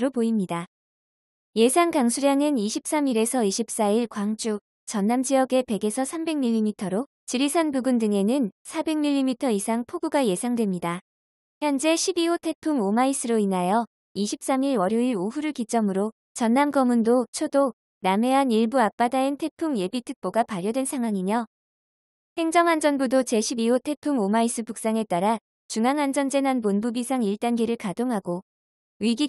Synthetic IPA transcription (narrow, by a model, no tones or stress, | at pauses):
ɾopoimɲida | je̞sʰaŋkaŋsʰuɾjaŋɯniɕʰip̚s͈amiɾe̞sʰʌiɕʰip̚s͈aiɭkwaŋt͡ɕ͈u | t͡ɕʌnːamd͡ʑijʌɡe̞pe̞ɡe̞sʰʌsʰambe̞ŋmiʎːimitʰʌɾo | t͡ɕiɾisʰanbuɡundɯŋe̞nɯnsʰabe̞ŋmiʎːimitʰʌisʰaŋpʰoɡuɡaje̞sʰaŋdwe̞mɲida | çjʌnd͡ʑe̞ɕʰibiotʰe̞pʰuŋomais͈ʰɯɾoinajʌ | iɕʰip̚s͈amiɾwʌɾjoiɾoɦuɾɯɭkit͡ɕ͈ʌmɯɾo | t͡ɕʌnːamɡʌmundot͡ɕʰodo | name̞ɦaniɭbuak̚p͈adaentʰe̞pʰumje̞bitʰɯk̚p͈oɡapaɾjʌdwe̞nsʰaŋɦwaŋimjʌ | he̞ŋd͡ʑʌŋɦand͡ʑʌnbudot͡ɕe̞ɕʰibiotʰe̞pʰumomais͈ʰɯpuk̚s͈aŋe̞t͈aɾa | t͡ɕuŋaŋɦand͡ʑʌnd͡ʑe̞nanponbubisʰaŋiɭt͈anɡiɾɯɭkadoŋɦaɡo | wɥiɡi